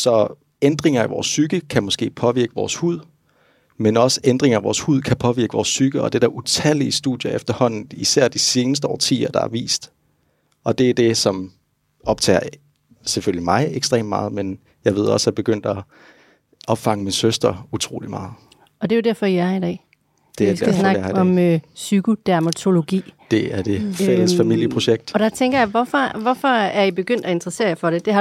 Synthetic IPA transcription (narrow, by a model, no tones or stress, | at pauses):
sɒ̽ | end̥ʁeŋɐæʋɒ̰ːsːyɡ̥əkʰæmɔ̽sɡ̥e̝̰ːpʰɒ̽ʋiɐɡ̥əʋɒ̰ːshuð̰ˠ | menɒ̽səend̥ʁeŋɐæʋɒ̰ːshuð̞̰ˠkʰæpʰɒ̽ʋiɐɡ̥əʋɒːsːyɡ̥əɒ̽d̥ed̥æɐʔut͡sʰæliəsd̥uð̰ˠjɐefd̥ɐhɒ̽n̰n̩isæɐ̰d̥ise̝ːnəs̬d̥əɒ̰ːt͡sʰḭːɐd̥ɑ̈æɐʋḭːsd̥ | ɒ̽d̥e̝æd̥e̝sɒ̽m | ɒ̽b̥t͡sʰɛ̰ːɐ | seføljlimɑ̈ɪeɡ̥sd̥ʁḛːm̥mɑ̈ːð̩ˠmen | jɑ̈ɪʋe̝ð̞̰ˠɒ̽shæb̥e̝ɡ̥øn̰d̥ɒ | ʔɒ̽b̥fɑ̈ŋəminsøsd̥ʁɐut͡sʰʁo̝̰ːlimɑ̈ːð̩ˠ | ɒ̽d̥e̝jod̥æɐ̰fɒ̽iæɑid̥ɛ̰ː | d̥e̝issnɑ̈ɡɒ̽møsyɡ̥o̝d̥æɐmæt͡sʰo̝lo̝ɡ̥ḭːd̥e̝æɐd̥e̝ææfæmil̰jəpʰʁo̝ɕeɡ̥̚d̥ɒ̽d̥ɑt͡sʰeŋɡ̥ɐjɑ̈ɪʋɒfɒʋɒfɒ̽æɐib̥e̝ɡ̥øn̰d̥æe̝nd̥ʁɐse̝̰ːɐjafɒ̽ɾ̥e̝d̥e̝hɑ̈